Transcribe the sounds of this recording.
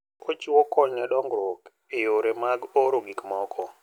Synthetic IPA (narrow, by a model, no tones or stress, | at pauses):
ot͡ʃiwɔkɔɲɛɗɔŋɡɾok | ejoɾemaɡoɾoɡikmɔkʰɔ